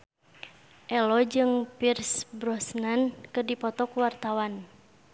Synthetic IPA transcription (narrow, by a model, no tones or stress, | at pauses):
ʔɛlɔd͡ʒɨŋpirsbɾɔsnankɨrdipɔt̪ɔkuwart̪awan